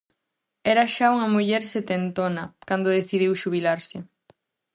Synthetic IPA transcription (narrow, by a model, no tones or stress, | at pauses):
ɛɾaʃauŋɐmuʎɛɾset̪ent̪onɐkand̪oðeθiðiwʃuβilaɾsɪ